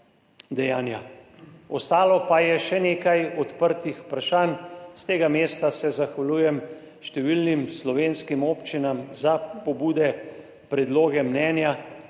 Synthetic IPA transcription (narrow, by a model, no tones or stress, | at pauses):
d̪ɛjaːnja | ɔst̪aːlɔpajɛʃɛneːkajɔt̪pəɾt̪ixpɾaʃaːnst̪eːɡameːst̪asɛzaxʋaluːjɛm | ʃt̪ɛʋilnimslɔʋeːnskimoːpt͡ʃinamzapɔbuːd̪ɛ | pɾɛd̪loːɡɛmnɛːnja